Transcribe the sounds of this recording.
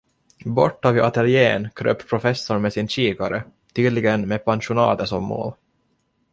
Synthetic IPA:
bɔ̰ʈːavɪʔat̪ɛljeːnkʰɾø̰ːppʰɾʊfɛsːʊɾmɛsɪnɕiːkaɾə | t̪ʰyːd̪lɪɡənmepʰanʂʊnɑ̰ːt̪əsɔmːo̰ːl

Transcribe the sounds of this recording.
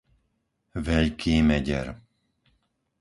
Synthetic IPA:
ʋɛʎkʰiːmɛɟɛ̰ɾ

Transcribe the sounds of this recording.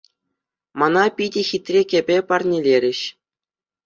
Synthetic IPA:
mɑnɑpʲidʲɘ̆xʲit̪ʲrʲekʲĕbʲepɑrnʲelʲeɾʲɘ̆ɕ

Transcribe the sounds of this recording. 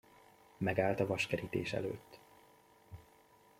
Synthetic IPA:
mɛɡaːlt̪ɒvɒʃkɛɾit̪ḛːʃɛ̰lø̰ːt̪ː

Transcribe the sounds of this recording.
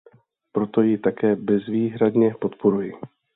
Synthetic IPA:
pɾo̞t̪o̞jɪt̪akɛːbɛzviːɦɾad̪ɲɛpo̞t̪po̞ɾujɪ

